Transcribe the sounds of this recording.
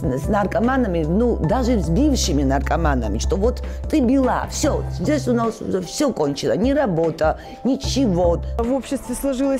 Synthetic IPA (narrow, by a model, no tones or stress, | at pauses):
snarkʼamanɐmʲinud̪aʐɨzbifʂɨminɐrkʼamanɐ̰mʲiʂt̪ʼɔvɔt̪t̪ʼːɨbilˠa̰fsʲɔzʲd͡zʲesʲunasɛfsʲɔkʼɔnt͡ʃʰilˠɐnʲiɾabɔt̪ʼɐ | nʲit͡ʃʰivovopɕːɪst̪vʲɪslˠɐʐɨlˠəs